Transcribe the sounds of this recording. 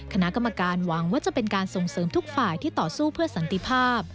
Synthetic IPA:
kʰa˧na˦˥ʔka˧mːa˧kaː˧nwa˩˦ŋwaː˥˩t͡ɕa˨˩pe˧nkaː˧nso˨˩ŋsɤː˩˦mt̪ʰu˦˥k̚faː˨˩jt̪ʰiː˥˩t̪ɔː˨˩suː˥˩pʰɯ˥˩ɐsa˩˦nt̪i˧pʰaː˥˩p̚

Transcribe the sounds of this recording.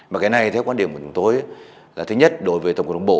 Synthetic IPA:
vaː˨˩kaː˨˦jna˨˩jt̪ʰɛ˨˦wkwaː˧˦ɗi˨˩əmku˧˩˨t͡ɕʊ˨˦ŋ͡mt̪o˨˧˦ja˨˦ | laː˨˩ɨ˨˦ɲə˦˥t̚ɗo˨˦jvəː˨˦t̪ə˨ŋ͡m̚ə˨˩ŋ͡mɓo̰˧˨

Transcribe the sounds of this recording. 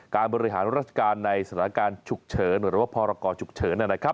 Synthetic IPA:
kaː˧nbɔː˧ɾi˦˧ɦa̰ː˩˦nɾaː˦˥t̪̚t͡ɕʰḁ˧kaː˧nːa˧jsat̪ʰa˩˦a˧kaː˧nt͡ɕʰu˨˩k̚t͡ɕʰɤː˩˦nɾɯː˨˦waː˥˩pʰɔː˧ɾa˧kɔː˧t͡ɕʰu˨˩k̚t͡ɕʰɤː˩˦nːi˥˩na˦˥kʰɾa˦˥p̚

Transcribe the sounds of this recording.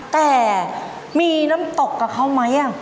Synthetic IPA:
t̪ɛː˨˩ | miː˧na˦˥mt̪o˨˩kːa˨˩p̚kʰa˦˥wma˦˥jʔa˧˩ŋ

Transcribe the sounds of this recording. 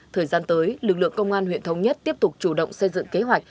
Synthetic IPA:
t̪ʰəː˨˩jzaː˧nt̪əː˨˦jlɨ˨˩k̚lɨ̰˧˨əŋkə˧wŋ͡mʔaː˧nhwḭ˧˨ənt̪ʰə˨˦wŋ͡mɲə˦˥t̚t̪i˦˥əp̚t̪ʊ˨˩k͡p̚t͡ɕu˧˩ɗə̰˧˨wŋ͡msə˧jzɨ̰˧˨ŋke˨˦ɦwa˨˩jk̟̚

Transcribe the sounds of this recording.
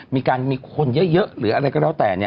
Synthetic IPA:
mi˧kaː˧nmi˧kʰo˧nzə̰˦˥zə˦˥ʔlɨ̰˨˦ʔa˧ɾa˧˩kɔː˦˥ɗɔ˨˦wt̪ɛː˨˩˨ɲɛ˧

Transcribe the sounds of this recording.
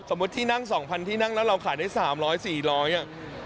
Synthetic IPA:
so˩˦mu˦˥t̪ʰːiː˥˩na˥˩ŋsɔː˩˦ŋpʰa˧nt̪ʰiː˥˩na˥˩ŋlɛː˦˥wɾa˧wkʰaː˨˩jdaː˥˩jsaː˩˦mɾɔː˦˥jsiː˨˩ɾɔː˦˥jʔa˨˩

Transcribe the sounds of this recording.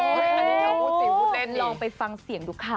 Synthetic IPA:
lɔː˧ŋpa˧jfa˧ŋsi˨˩˦ŋduː˦˥kʰːaː˧

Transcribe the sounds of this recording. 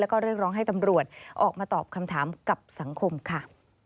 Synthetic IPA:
lɛ˦˥wkɔː˥˩ɾɯ˥˩ək̚ɾɔː˦˥ŋɦa˥˩jt̪a˧mɾu˨˩ət̪̚ʔɔː˨˩k̚maː˧t̪ɔː˨˩p̚kʰa˧mt̪ʰaː˩˦mka˨˩p̚sa˩˦ŋkʰo˧mkʰa˥˩

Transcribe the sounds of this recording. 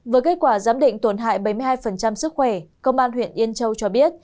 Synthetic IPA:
vəː˨˦jke˦˥t̚kwaː˧˩zaː˨˦mɗḭ̈˧˨ŋ̟t̪o˧˩nɦa̰ː˧˨jɓə˧˩jmɨ˧jhaː˧jfə˨˩nt͡ɕa˧msɨ˦˥k̚xwɛ˧˩kə˧wŋ͡mʔaː˧nhwḭ˧˨ənʔi˧ənt͡ɕə˧wt͡ɕɔ˧ɓi˦˥ət̚

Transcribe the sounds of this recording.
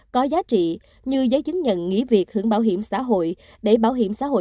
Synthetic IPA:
kɔ˨˦zaː˨˦t͡ɕḭ˧˨ | ɲɨ˧zəː˨˦jt͡ɕɨ˨˦ŋɲə̰˧˨nŋḭ˧˥vi˨˩ək̚hɨ˧˩əŋɓaː˧˩wɦi˧˩əmsa̰ː˧˨ɦo̰˧˨j | ɗe˧˩ɓaː˧˩wɦi˧˩əmsaː˧˥˦ɦo̰˧˨

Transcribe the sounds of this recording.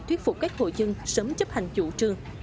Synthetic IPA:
t̪wi˦˥ət̚fʊ˨˩k͡p̚kaː˦˥k̚ho̰˧˨jzɨ˧ŋsəː˨˦mt͡ɕə˦˥p̚ha˨˩jŋ̟t͡ɕṵ˧˩t͡ɕɨ˧əŋ

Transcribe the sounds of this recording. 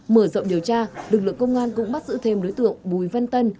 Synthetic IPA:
məː˧˩zə̰˧˨ŋ͡mɗi˨˩əwt͡ɕaː˧lɨ˨˩k̚lɨ̰˧˨əŋkə˧wŋ͡mʔaː˧nkʊ̰˧˥ŋ͡mɓa˦˥t̚zɨ̰˧˥t̪ʰe˧mɗo˨˦jt̪ɨ̰˧˨əŋɓu˨˩jva˧nt̪ə˧n

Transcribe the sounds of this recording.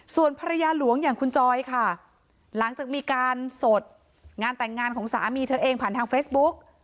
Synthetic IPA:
su˨˩ənpʰaː˧ɾa˧jaː˧lu˨˩˦əŋjaː˨˩ŋkʰu˧nt͡ɕɔː˧jkʰa˥˩ | la˩˦ŋt͡ɕaː˨˩k̚miː˧kaː˧nso˨˩t̪̚ | ŋaː˧nt̪ɛ˨˩ŋːaː˧nkʰɔː˩˦ŋsa̰ː˩˦miː˧t̪ʰɤː˧ʔeː˧ŋpʰaː˨˩nt̪ʰːŋfeː˦˥bu˦˥k̚

